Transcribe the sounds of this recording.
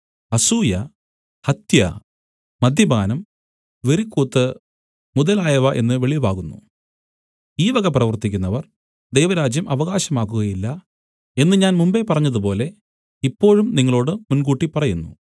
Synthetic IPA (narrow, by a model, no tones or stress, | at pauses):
ɐsuːjɐ | hɐt̪jɐ̰ | mɐd̪ʱjɐbaːnɐm | ʋeɾikːuːt̪ːɨ | muðɐlaːjɐʋɐʔe̞nːɨʋe̞ɭibaːɣunːṵ | iːʋɐɣɐprɐʋɐrt̪ikʲːunːɐʋɐr | d̪ejʋɐɾaːd͡ʑjɐmʔɐʋɐɣaːɕɐmaːk̬ːuɣɐjilːɐ | e̞nːɨɲaːnmumbe̞pɐrɐɲːɐðupo̞ːle̞ | ipːo̞ːɻumniŋːɐɭo̞ːɽɨmunkuːʈːipɐrɐjunːṵ